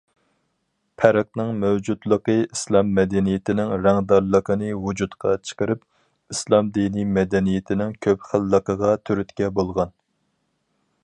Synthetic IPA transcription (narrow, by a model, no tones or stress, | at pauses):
pʰɛɾɛq̚nɨŋmæwd͡ʒud̪lˠəqəislˠɑmːɛd̪ɛnijet̪ʰɪnɪŋɾæŋd̪ɑɾlˠəqʰənɨwud͡ʒut̪qʰɑt͡ʃʰə̥qəɾɨp̚ | islˠɑmd̪inimɛd̪ɛnijet̪ʰɪnɪŋkʲʰøpχælːəqəʁɑt̪ʰyɾyt̪kʲɛbolˠʁɑn